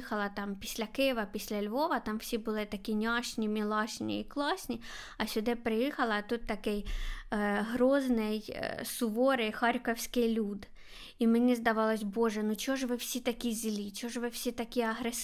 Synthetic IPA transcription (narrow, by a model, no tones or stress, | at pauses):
ixɐlˠɐt̪ɑmpʲisʲlʲɐkɪjɪʋɐpʲisʲlʲɐlʲʋoʋɐt̪ɑmwsʲibɨlˠɪt̪ɐkʲinʲɑʂnʲimʲɪlˠɑʂnʲḭiklˠɑsʲnʲiɐsʲʊd̪ɪpɾɪjɛxɐlˠɐt̪ut̪ːɐkɪj | ɦɾoznɪjsʊʋoɾɪjxɑɾʲkɐwsʲkɪjlʲud̪ | imɪnʲizd̪ɐʋɑlˠɐsʲbɔʐɛnut͡ɕɔʐʋɪwsʲit̪ɐkʲizʲɪlʲit͡ɕɔʐʋɪwsʲit̪ɐkʲiɐɦɾɛs